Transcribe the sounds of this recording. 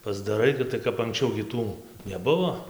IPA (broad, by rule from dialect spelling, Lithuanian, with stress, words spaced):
pɐzdɐˈrɐɪ ˈɡʲɪ tɐɪ kɐp ɐŋksʲˈt͡ʃʲɛʊ ɡʲɪ ˈtuː nʲɛˈbʊʋoː